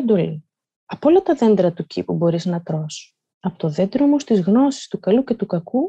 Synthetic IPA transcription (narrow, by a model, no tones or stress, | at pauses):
d̪oli | ɐpo̞lɐt̪ɐðe̞nd̪ɾɐt̪ucḭpubo̞ɾiznɐt̪ɾo̞s | ɐpot̪oðed̪ɾomost̪izɣno̞si̥st̪ukɐluce̞t̪ukɐku